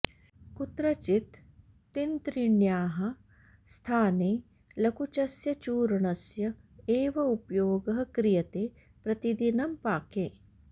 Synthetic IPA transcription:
kut̪ɾɐt͡ʃit̪ː | int̪ɾiɳjaːɦɐ | st̪ʰaːneː | lɐkut͡ʃɐsjɐt͡ʃuːɾɐɳɐsjɐ | eːʋɐupjoːɡɐɦɐ̆kɾijɐt̪eː | pɾɐt̪id̪inɐmpaːkeː

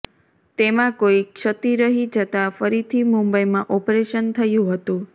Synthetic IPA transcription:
t̪emãkoikʃət̪iɾəɦid͡ʒət̪afəɾit̪ʰimumbəjmãʔɔpɾeʃənt̪ʰəjũɦət̪ũ

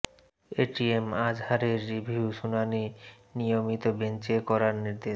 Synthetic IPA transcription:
eʈiemad͡ʑhaɾeɾːibʱiuʃunani | nijomit̪obent͡ɕekɔɾaɾniɾd̪e

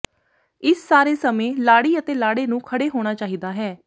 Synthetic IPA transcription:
ɪssaːɾeːsəmẽːlaːɽiːət̪eːlaːɽeːnũːkʰəɽeːɦoːɽ̃aːt͡ʃaːɦiːd̪aːɦɛː

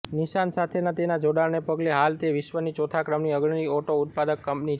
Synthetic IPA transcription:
niʃansat̪ʰenat̪enad͡ʒoɽaɭnepəɡleɦalt̪eʋɪʃʋənit͡ʃot̪ʰakɾəmniəɡɳnioʈoʊt̪̚pad̪əkːəmpnit͡ʃ

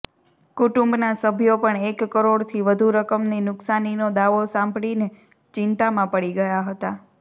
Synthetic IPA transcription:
kʊʈũmbnasəbʱjopəɳekːəɾoɽt̪ʰiʋəd̪ʱuɾəkəmninʊksaninod̪aʋosãmbɽine | t͡ʃɪnt̪amãpəɽiɡəjaɦət̪a

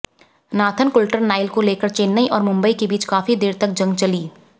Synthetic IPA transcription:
naːt̪ʰənkʊlʈəɾnaːɪlkoleːkəɾt͡ʃeːnːəiʔɔːɾmʊ̃mbəikebiːt͡ʃkaːfid̪eːɾt̪ɐk̚d͡ʒɐ̃ŋɡt͡ʃɐliː

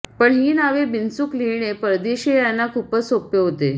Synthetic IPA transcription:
pəɳɦiːnaʋebinsukliɭɳ̃epəɾd̪eɕejanːakʰuːpəsopjəɦot̪e

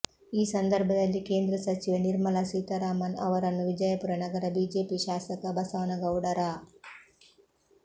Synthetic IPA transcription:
iːsɐnd̪ɐɾbʱɐd̪ɐlːike̞ːnd̪ɾɐsɐt͡ʃiʋɐniɾmɐlɐsiːt̪ɐɾaːmɐnɐ̰ʋɐɾɐnːuʋid͡ʒɐjɐpuɾɐnɐɡɐɾɐbiːd͡ʒe̞ːpiʃaːsɐkɐbɐsɐʋnɐɡɐwɽɐɾa

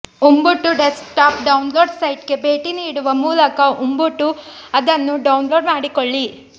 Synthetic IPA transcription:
umbuʈːuɖeskʈaːpɖɐwnloːɖsɐjʈke̞be̞ːʈiniːɽuʋɐmuːlɐkɐʔumbuʈːuɐd̪ɐnːuɖɐwnlo̞ːɖmaːɽikoɭːi

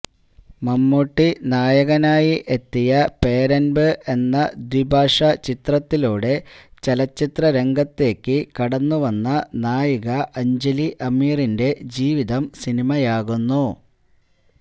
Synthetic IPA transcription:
mɐmːuʈːinaːjɐɣɐnaːjiʔe̞t̪ːijɐpe̞ːɾɐnbɨʔe̞nːɐd̪wibʱaːʂɐt͡ɕit̪rɐt̪ːiluːɽe̞t͡ɕɐlɐt͡ɕːit̪rɐɾe̞ŋɡɐt̪ːe̞ːkːɨkɐɽɐnːuʋɐnːɐnaːjɐɣɐʔɐɲd͡ʑɐliʔɐmiːrinde̞d͡ʑiːʋiðɐmsinimɐjaːɣunːu

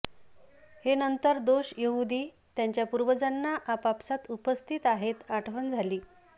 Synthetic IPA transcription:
henənt̪əɾd̪oɕjəɦud̪iː | t̪jaɲt͡ɕjapuɾʋəd͡zanːaʔapapsat̪upəst̪ʰit̪aɦet̪aʈʰʋənd͡zʱaliː

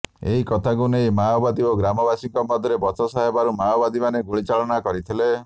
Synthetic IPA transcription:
eɦikɔt̪ʰaɡunejmawbad̪ioɡɾamɔbasiŋkɔmɔd̪ʱjɔɾebɔt͡ʃɔsaɦebaɾumaɔbad̪imaneɡuɭit͡ʃaɭɔnakɔɾit̪ʰile

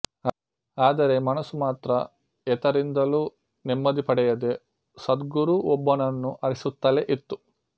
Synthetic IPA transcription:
aːd̪ɐɾe̞mɐnɐsumaːt̪ɾɐ | ɛt̪ɐɾind̪ɐlu | nemːɐd̪ipɐɽɛjɐd̪e̞ | sɐd̪ɡuɾuɔbːɐnɐnːuʔɐɾisut̪ːɐleʔit̪ːu

